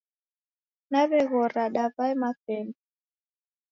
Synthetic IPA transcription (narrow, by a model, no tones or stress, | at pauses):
naβɛɣɔɾaɗavaɛmafɛnɔ